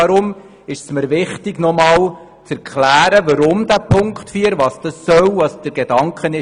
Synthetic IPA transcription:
ɑɾʊm | ɪʃsməɾʋɪχtɪɡnɔmɑːl | t͡sæɾkʰχlæːɾəvɑɾʊmdæpʰʊŋkχtfyːəɾʋɑːsd̥ɑsːœwvɑsd̥əɾɡ̥ed̥ɑŋkχənɪ

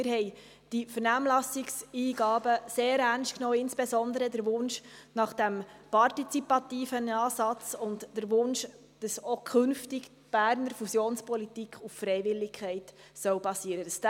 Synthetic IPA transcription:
ɪɾɦhɛɪ | d̥ifəɾnæːmlɑsɪksiːɡɑːbəseːɾæɾnsʃtknoːɪnsb̥esɔndəɾədəɾʋʊnʃnɑχd̥æmpɑɾtit͡sipɑtiːfənɑːsɑt͡sʊntd̥əɾʋʊnʃ | d̥ɑsokʰχʏnftɪɡ | b̥æːɾnəɾfusjoːnspʰɔlitikχʊffɾɛɪvɪlːɪkʰχɛɪtsœʊbɑsiːəɾədəsd

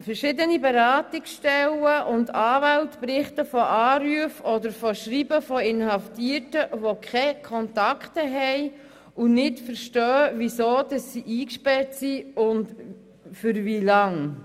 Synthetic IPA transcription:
fəɾʃɪdənibɛɾaːtɪksʃtɛləʔʊndɑːvæltpɾɪχtəfɔʔɑːɾyəfɔdəɾfɔʃɾibəfɔɪnhɑftiəɾtəʋokʰχɛkʰɔntɑkχtəɦɛj | unɪtfəɾʃtœːvisoːdɑsːiʔiːkʃpɛɾtsiʊnd | fʏɾvilɑŋ

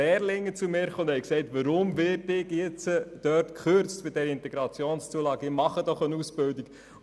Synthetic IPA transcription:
ɛːɾlɪŋːət͡sumɪːɾχoʊnd̪hɛjksɛɪtʋəɾʊmvɪːɾtɪɡjɪt͡səd̥œrtkχøɾt͡stbɪdɛɾəɪntɛɡɾɑt͡sjoːnst͡suəlɑːɡəɪmɑχəd̥ɔχənusb̥ɪldik

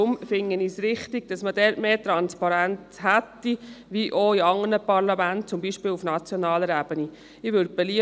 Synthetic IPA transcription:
ʊmfɪŋːənisɾɪχtɪɡ̥̚d̥ɑsmədɛːɾtmeːt̪ɾɑnspɑɾænt͡shæt̪ːiʋiʔɔiɑŋənəpɑɾlɑmænt̚t͡sʊmbiːʃpɪːlufnɑt͡sjɔnɑːləɾæːb̥əni | ɪʋʏd̚b̥ɛliə

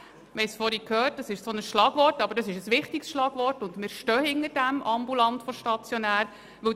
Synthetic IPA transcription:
ʋɛɪsfɔɾikʰhœːt̚d̥ɑsɪʃsonəsʃlɑːɡ̥ʋɔrtɑb̥əɾdɑsɪʃəsʋɪχtiksʃlɑːɡ̥ʋɔrtʊndmɪːɾʃtœːhɪnəɾdæmʔɑmbulɑntfɔʃtɑt͡sjɔnæːɾ | ʋɵ

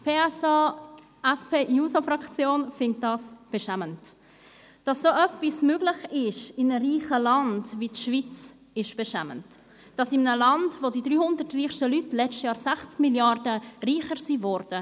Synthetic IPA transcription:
pʰeːɛsa | ɛspʰeːjuːsofɾɑkt͡sjoːnfɪnt̚d̥ɑsb̥eʃæmənt | d̥ɑsːoʔœpismøːɡlɪχɪʃɪmnəriːχəlɑndviʃvit͡s | ɪʃb̥ɛʃæ̰mə̰nt | d̥ɑsɪmənəlɑndvodidɾyːhʊndərtriːχʃtəlytlɛt͡ʃtjɑːɾsæχt͡skmiljɑrdəriːχəɾsiːvɔɾd̥ə

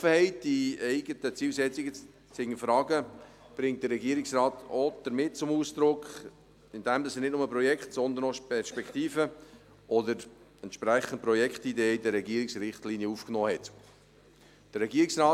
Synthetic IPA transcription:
əhɛɪt̚d̥iɛɪɡətət͡siːlsɛt͡siɡə | t͡sɪŋːəfɾɑːɡə | b̥ɾɪŋt̚d̥̪əɾɛɡiəɾɪksrɑːt̪od̪̥əɾmɪt̚t͡sʊmuːsd̪̥ɾʊkχ | ɪndɛmd̪ɑsənɪt̚nʊməpɾɔjɛktsɔnd̪ənoʃpɛɾʃpɛkχtiːfə | ʔɔdəɾ | ɛntʃpɾæχːən̩t̚pɾɔjɛkχtideːidəɾːɛɡiːəɾɪksrɪχtliːnjəufknɔːhɛt | d̥əɾɛɡiːɾɪksrɑː

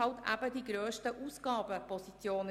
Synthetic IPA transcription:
ɑʊt̪ʰʔæ̰bədiːɡɾøːstəʔuːsɡ̥ɑːbəpʰɔsit͡sjoːnə

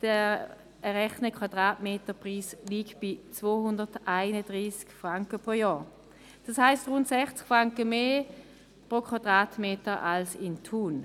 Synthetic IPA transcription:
d̥ɛ | ɛʁɛχnəkʰwadʁaːtmeːtəpʁiːsliːkb̥ɪt͡svoːhʊndətʔaɪnədʁiːskfʁaŋkəpʁoːjɔː | d̥ɑshaɪstʁʊntsɛχt͡skfʁaŋkəmeː | pʁokʰwad̥ʁaːtmeːtəʔalsɪntʰuːn

